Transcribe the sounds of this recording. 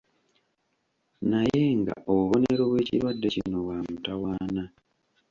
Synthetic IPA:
naje̞ŋɡa̰ʔoβuβo̞neɾo̞βwe̞ːcḭɾwadːe̞cino̞βwaːmutawaːna

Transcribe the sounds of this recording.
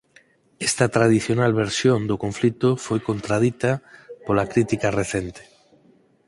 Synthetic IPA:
est̪at̪ɾað̞iθjonalβeɾsjõnd̪ʊkoɱflit̪ʊfojkont̪ɾað̞it̪apolakɾit̪ikareθent̪e̥

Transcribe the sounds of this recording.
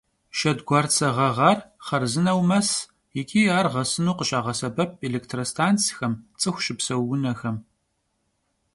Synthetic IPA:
ʃɐdɡʷɑːrt͡sʰɐʁɐʁɑrχɐrzɨnɐwmɐs | jɪkʲʰʼiːaːrʁɐsɨnuːqəɕʼaːʁɐsɐbɐp̚ʰʼeleːktʰroːstʰaːnt͡sʰʼixɐmt͡sʼɨxʷʃɪpsɐwːʊnɐxɐm

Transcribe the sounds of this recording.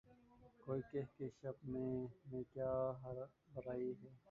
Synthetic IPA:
koːiːkeɦkeʃɐbmẽmẽkjaːɦbɐɾaːiɦɛː

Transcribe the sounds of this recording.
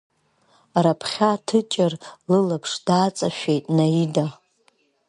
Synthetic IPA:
rapʰχʲatʰɨt͡ʃʼɪrlɨlapʰʂd̥aːt͡sʼaʃᶣejtʼnaida

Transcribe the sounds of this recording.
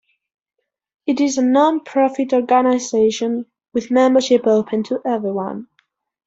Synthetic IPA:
ɨɾɪzənɑ̃npʰɹ̥ɑfɨtɔɹɡənaɪzeɪʃə̃n | wɪðmɛ̃mbə˞ʃɪpoʊpʰɨ̃ntʰəʔɛvɹiwʌ̰̃n

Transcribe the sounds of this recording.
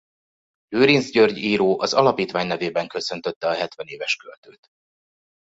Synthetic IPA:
løːɾinzɟørɟiːɾoːʔɒzɒlɒpiːt̪ʋaːɲnɛveːbɛŋkø̞sø̞nt̪øt̪ːɛɒɦɛt̪vɛneːvɛʃkølt̪øːt̪

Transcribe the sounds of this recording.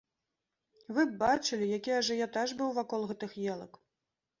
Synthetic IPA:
vɨb̚bat͡ʂɨlʲijakʲiaʐɛjat̪aʐbɨwvakɔlˠɣɛt̪ɨxjɛlˠɐk

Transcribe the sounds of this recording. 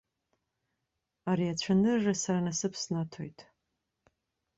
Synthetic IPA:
aɾiat͡ɕʷʰanɨrʒasaɾanasɨpʰsnatʰo̰jtʼ

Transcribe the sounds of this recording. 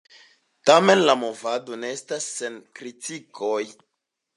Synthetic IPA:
tame̞nlamo̞vado̞ne̞estasːe̞nkɾitikʰo̞j

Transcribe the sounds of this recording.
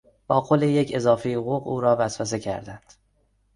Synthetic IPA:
b̥ɒːqʰoleje̞cʰe̞zɒːfejoɣuːɣuːɾɒːvæsvæs̬e̞cʰæ̰ɾd̪ænd̪̥

